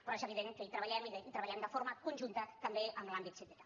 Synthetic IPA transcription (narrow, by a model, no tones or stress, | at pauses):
pɾɔezəβiðeŋkəit̪ɾəβəʎɛmiðəit̪ɾəβɐʎɛmd̪əfoɾməkunʲʒunt̪ət̪əmbeəmlambit̪sit̪ɛt̪a